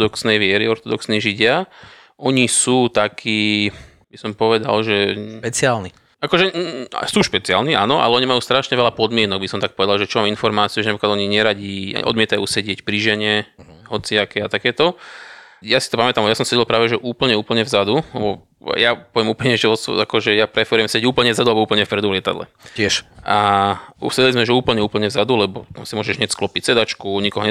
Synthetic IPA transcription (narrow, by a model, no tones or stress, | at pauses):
d̪ɔksnɛjʋɪɛɾiɔɾt̪ɔd̪ɔksniːʒiɟɪa | ʔɔɲisuːt̪akʰiː | bisɔmpɔʋɛd̪a̰lʒɛpɛt͡sɪaːlni | akɔʒɛ̰suːʃpɛt͡siɪa̰ːlnia̰ːnɔʔa̰lɛɔɲimajuːst̪ɾaʃɲɛʋɛʎapɔd̪mɪɛnɔɡ̚bisɔmt̪ak̚pɔʋɛd̪alʒɛt͡ʃɔmaːminfɔɾmaːt͡siuʒɛnapɾiklad̪ɔɲiɲɛɾaɟḭːʔɔ̰d̪mɪɛt̪ajuːsɛɟɪɛcpɾiʒɛɲɛ | ɦɔt͡siakɛat̪akɛːt̪ɔ | jasit̪ɔpamɛt̪amjasɔmsɛɟilˠpɾaːʋɛʒɛʔuːpl̩ɲɛuːpl̩ɲɛvzad̪ulɛ̰bɔ | japɔʋjɛmuːpl̩ɲɛʒɛɔsakɔʒɛjapɾɛfɛɾujɛmsɛɟɛɟuːpl̩ɲɛvzad̪ualbɔuːpl̩ɲɛfpɾɛd̪uvlɪɛt̪a̰d̪lɛ̰ɛʃausɛɟɛlizmɛʒɛuːpl̩ɲɛuːpl̩ɲɛvzad̪ulɛbɔ̰t̪a̰msimʊɔːʒɛʒɲɛcsklɔpicsɛd̪at͡ʃkuɲikɔɦɔɲɛ